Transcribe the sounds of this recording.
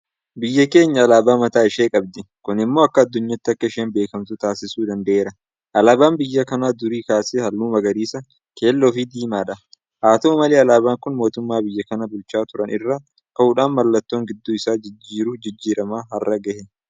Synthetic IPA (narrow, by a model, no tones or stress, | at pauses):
bɪjːɐke̞ːɲːɐɐlaːbaːmɐt̪aːɪʃeːkʼɐb̚d̪ɪkʊnɪmːo̞ːɐkːɐːd̪ːʊɲːɐt̪ːɪɐkːɐɪʃeːnbe̞ːkɐmt̪ʊt̪aːsɪsuːd̪ɐnd̪ɐʔeːɾɐ | ʔɐlaːbaːmbɪjːɐkɐnaːd̪ʊɾiːkaːseːhɐlːuːmɐɡɐɾiːsɐ | ke̞ːlːoːfid̪iːmaːᶑɐ | ʔaːt̪oːmɐleːɐlaːbaːŋkʊnmo̞ːt̪ʊmːaːbɪjːɐkɐnɐbʊlt͡ʃaːt̪ʊɾɐnʔɪrːa | kɐuːᶑaːnmɐlːɐt̪ːo̞ːŋɡɪd̪ːuːɪsaːd͡ʒɪd͡ʒːiːɾʊd͡ʒɪd͡ʒːiːɾɐmaːɦɐrːɐɡɐhɛ